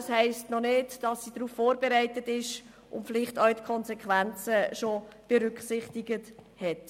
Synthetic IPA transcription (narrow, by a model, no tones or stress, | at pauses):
shɛɪstnɔnɪdd̥ɑsːid̥ɾuːfːoːɾbeɾæɪtətɪʃ | ʔʊ̰ntfɪlɪχtœʊtkʰɔnsɛkʰʋænt͡səʃob̥ɛɾʏkχsɪχtɪɡəthɛt